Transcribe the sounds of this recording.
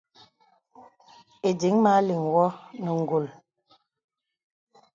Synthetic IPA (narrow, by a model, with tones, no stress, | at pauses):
e˨di˨˦ŋma˨˦li˨ŋwɔ˦nə˨ŋ̩˨ɡo˨l